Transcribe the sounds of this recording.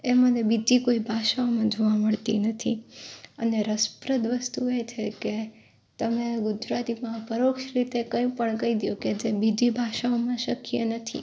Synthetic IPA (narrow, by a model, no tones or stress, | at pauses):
emənebid͡ʒikoibʱaʃaomãd͡ʒoʋaməɭt̪ḭnət̪ʰiəneɾəspɾəd̪ʋəst̪uet͡ʃʰeke | t̪əmẽɡʊd͡ʒɾat̪imãpəɾokʃɾit̪ekəjũpəɳkəɦid̪ijoked͡ʒebid͡ʒibʱaʃaomãʃəkijenət̪ʰḭ